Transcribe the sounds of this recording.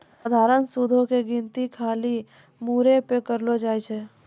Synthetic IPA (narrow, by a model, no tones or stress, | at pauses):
d̪ʱaːɾənsud̪ʱõkeɡĩnt̪ikʰaːli | muːɾepekəɾlod͡ʒaːit͡ʃʰɛː